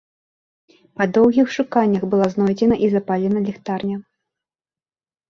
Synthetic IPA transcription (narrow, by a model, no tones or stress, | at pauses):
pɐd̪ɔwɣʲixʂukanʲːɐxbɨlˠaznɔjd͡zʲɛnɐʔizɐpalʲɛnɐlʲɛxt̪arnʲɐ